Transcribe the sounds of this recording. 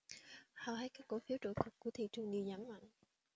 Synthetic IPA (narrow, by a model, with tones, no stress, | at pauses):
hɔ̰˧˨hə˨˦˥jkaː˦˥k̚ko˧˩˦fi˨˦əwt͡ɕo̰˧˨t̪ʰə˨˩t̚ku˧˩ət̪ʰḭ˧˨t͡ɕɨ˧əŋɗi˧wzaː˨˦mma̰˧˨ŋ